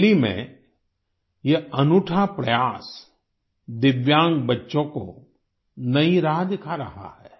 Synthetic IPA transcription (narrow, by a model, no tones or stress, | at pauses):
limḛ̃ | jeɐnʊʈʰapɾɐjaːs | d̪ɪʋjãːŋɡbɐtːʃõko̰ | nɐĩɾaːɦd̪ɪkʰaɾɐɦa̰hɛː